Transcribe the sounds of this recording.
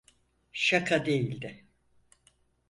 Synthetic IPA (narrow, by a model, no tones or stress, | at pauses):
ʃakʰad̪e̞jilʲd̪ɪ